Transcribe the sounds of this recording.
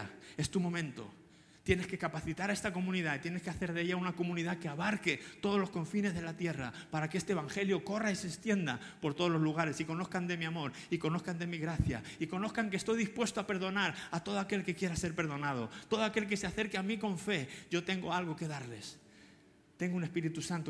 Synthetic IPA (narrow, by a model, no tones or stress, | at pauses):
e̞st̪umõ̞mẽ̞nt̪o̞̰ | t̪je̞ne̞ske̞kapaθit̪aɾae̞st̪ako̞mũniðait̪je̞ne̞skeaθe̞ɾðeʝaunako̞mũniðake̞aβaɾke̞t̪o̞ð̞o̞lo̞sko̞ɱfine̞zðe̞lat̪je̞ra̰paɾakeest̪eβaŋxe̞ljo̞ko̞raisest̪je̞nd̪a̰ | po̞ɾt̪o̞ð̞o̞lo̞zluɣ̞aɾe̞siko̞no̞θkand̪e̞miamo̞ɾ | iko̞no̞θkand̪e̞miɣɾaθja̰iko̞no̞θkaŋkest̪o̞jðispwe̞st̪oape̞ɾð̞o̞naɾat̪o̞ðo̞ake̞lke̞kje̞ɾase̞ɾpe̞ɾð̞o̞nað̞o̞t̪o̞ð̞oake̞lk̬e̞seaθe̞ɾkeamiko̞ɱfe̞ɟ͡ʝo̞t̪e̞ŋɡo̞alɣ̞o̞ke̞ðaɾle̞̰s | t̪e̞ŋɡoune̞spiɾit̪usant̪o